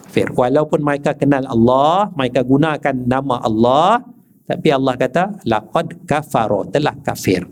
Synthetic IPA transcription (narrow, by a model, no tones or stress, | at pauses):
fɪ̰rwalawpʊnmaakakənalɑ̰lːɑhmaikaɡunãkanːamãʔɑlːɑh | t̪apiɑlːɑhkat̪alaqɔd̪kafaɾɔt̪əlahkafɪ̰r